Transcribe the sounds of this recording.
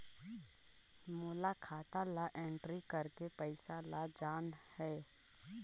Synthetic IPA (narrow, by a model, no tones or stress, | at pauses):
mʊlakʰaːt̪alaʔẽːɳʈɾikəɾkepəɪsalad͡ʒaːnhɛː